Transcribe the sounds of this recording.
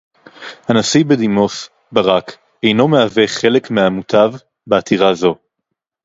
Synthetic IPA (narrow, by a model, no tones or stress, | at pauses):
ʔanasibed̪imos | baʁak | ejno̞meave̞χe̞le̞kmeamutʰav | beat̪iʁazo̞